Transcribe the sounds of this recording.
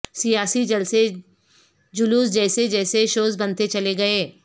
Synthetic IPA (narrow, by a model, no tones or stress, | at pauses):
sijaːsid͡ʒɐlse | d͡ʒʊluːsd͡ʒɛːsed͡ʒɛːseʃoːzbɐ̃nt̪et͡ʃɐleɡɐeː